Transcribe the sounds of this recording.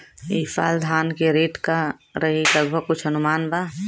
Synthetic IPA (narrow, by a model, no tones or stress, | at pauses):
iːfa̰ːld̪ʱaːnkeɾeːʈka | ɾəɦiləɡbʱəɡ̚kʊt͡ʃʰɦənʊmaːnba